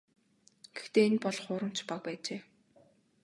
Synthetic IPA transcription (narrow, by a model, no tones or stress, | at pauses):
ɡ̥ext̪eːenpɔɮχʊːɾə̆m̥t͡ɕpak̚pæːt͡ɕeː